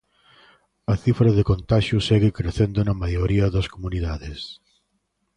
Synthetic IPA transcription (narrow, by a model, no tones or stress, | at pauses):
ɐθifɾɐðɪkont̪aʃʊsɛɣɪkɾeθend̪onɐmajoɾiɐðɐskomuniðaðɪs